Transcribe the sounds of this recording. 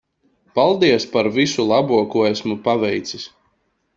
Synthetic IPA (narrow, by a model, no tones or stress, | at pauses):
palˠd̪iɛspaɾvisulˠabuɔkuæsmupavɛjt̪sis